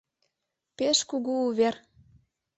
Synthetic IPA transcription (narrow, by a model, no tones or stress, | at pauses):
peʃkuɣuuβer